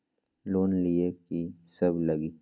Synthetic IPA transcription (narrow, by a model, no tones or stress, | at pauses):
loːnliekisɐblɐɡi